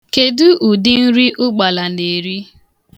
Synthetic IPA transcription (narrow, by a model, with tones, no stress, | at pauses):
ke˨dʊ˦ʔu˨dɪ˦n̩˦ɾi˦ʔʊ˦ɡ͡ba˨la˨ne˨ɾi˦